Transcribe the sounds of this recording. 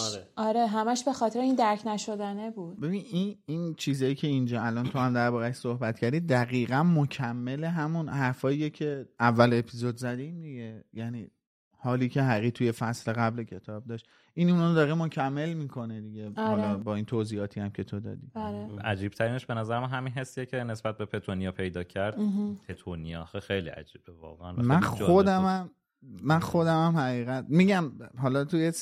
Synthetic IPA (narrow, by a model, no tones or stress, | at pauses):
ɒɾeɦæmæʃbe̞xɒːt̪ʰeɾeind̪æɾcʰnæʃo̞d̪ænebuːd̪be̞bininint͡ʃʰiːzɒːjicʰe̞ind͡ʒɒːælɒːnt̪ʰo̞hæmd̪æɾbɒːɾæʃsohbæt̪̚ʰcʰæɾd̪iːd̪æɣiːɣænmocʰæmːe̞le̞ɦæmunhæɾfɒːijecʰe̞ævːæle̞pʰizod̪zæd̪imd̪iɟe̞jæniː | hɒːliːcʰe̞ɦæʁit̪ʰuje̞fæsle̞ɣæblecʰe̞t̪ʰɒːb̚d̪ɒːʃt̪ | ʔinund̪ɒːɾemocʰæmːe̞lmiːkʰo̞ned̪iɟe̞hɒːɾlɒbɒːiːnt̪ʰoːziːɒːt̪ʰijæmcʰe̞t̪ʰod̪ɒ̰ːd̪iaʔæd͡ʒiːb̥̚t̪ʰæɾiːneʃbenæzæɾemænɦæminɦe̞sːijecʰe̞ne̞sb̥æt̪̚bepʰe̞t̪ʰonijɒpʰe̞jd̪ɒːcʰæɾd̪̥p̪ʰet̪ʰonijɒxexejlḭæ̰d͡ʒiːb̥evɒ̰ːɣḛʔæ̰næmænxod̪æmæmː | ænxo̞d̪æmæmhæʁiːɣæt̪̚miːɟæmɦɒːlɒt̪ʰujes